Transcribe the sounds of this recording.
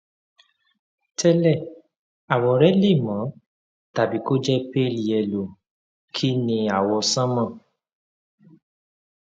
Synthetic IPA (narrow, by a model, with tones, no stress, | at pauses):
tʰɛ˦lɛ˦˨ | a˨wɔ˧ɾɛ˦le˦˨mã˨˦ | ta˨bi˨˦ko˦d͡ʒɛ˦pe˦˨li˨ɛ˨lo˨ | kʰi˦nĩ˧a˨wɔ˧sã˦mã˦˨